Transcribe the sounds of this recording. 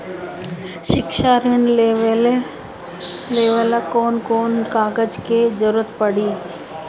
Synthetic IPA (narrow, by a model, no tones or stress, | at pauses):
ʃɪkʃaɾɪɳleʋ | leːʋəlkoːnkoːnkaːɡəd͡ʒked͡ʒəɾuət̪pəɽ̤iː